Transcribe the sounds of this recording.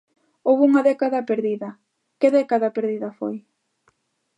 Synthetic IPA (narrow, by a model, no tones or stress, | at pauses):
owβuŋɐðɛkaðɐpeɾðiðɐ | keðɛkaðɐpeɾðiðɐfo̰j